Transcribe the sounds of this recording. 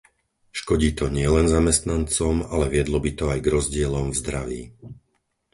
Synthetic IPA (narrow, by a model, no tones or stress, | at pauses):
ʃkɔɟiːt̪ɔɲɪɛlɛnzamɛst̪nant͡sɔmalɛʋɪɛd̪lɔbit̪ɔajɡɾɔzɟɪɛlɔmvzd̪ɾaʋḭː